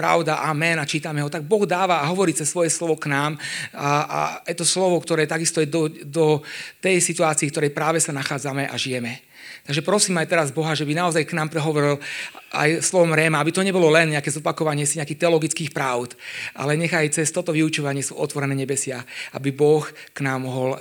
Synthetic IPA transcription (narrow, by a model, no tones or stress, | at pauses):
pɾa̰ʊd̪aʔaːmɛnat͡ʃiːt̪amɛɦɔt̪aɡ̚bɔɣd̪aːʋaːɦɔʋɔɾiːt͡sɛsːʋɔjɛslɔʋɔknaːmaʔa̰jɛt̪ɔslɔʋɔkt̪ɔɾɛːt̪aɡist̪ɔjɛd̪ɔd̪ɔt̪ɛjsit̪uaːt͡siːkt̪ɔɾɛjpɾaːʋɛsanaxaːd͡zamɛʔa̰ʒijɛmɛ | t̪aɡʒɛpɾɔsiːmajt̪ɛɾazbɔɦaʒɛbinaɔzajknaːmpɾɛɦɔʋɔɾila̰jslɔʋɔmɾɛːmaabit̪ɔɲɛbɔlɔlɛnɲɛakɛzɔpakɔʋaɲɪɛsiɲɛakiːxt̪ɛɔlɔɡit͡skiːxpɾaʊt̪ʔa̰lɛɲɛɣajt͡sɛst̪ɔt̪ɔʋiut͡ʃuʋaɲɪɛsɔɔ̰t̪ʋɔɾɛnɛːɲɛbɛsɪaʔa̰bibɔxknaːmɔɦɔl